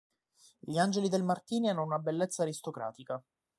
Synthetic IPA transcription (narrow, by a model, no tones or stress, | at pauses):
ʎiand͡ʒelid̪elmart̪iːnianːounabelːet̪sːaːɾist̪okɾa̰ːt̪ika